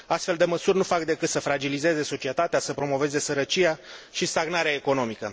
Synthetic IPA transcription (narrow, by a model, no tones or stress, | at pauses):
ast̪fe̞ld̪e̞məsurʲnufak̚d̪e̞kɨt̪səfɾad͡ʒilize̞ze̞so̞t͡ʃie̞t̪at̪easəpɾo̞mo̞ve̞ze̞səɾət͡ʃijaʃist̪aɡnaɾeaeko̞no̞mikə